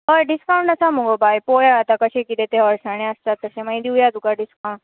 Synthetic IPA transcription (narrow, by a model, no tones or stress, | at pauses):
ɦəɖiskaw̃ɳʈəsamũŋɡobʱajpojaət̪akəɕẽkit̪et̪eɦɐʋəɾsaɽ̃ẽəst̪at̪̚ːəsẽmə̃jd̪iujad̪ukaɖiskaũɳʈ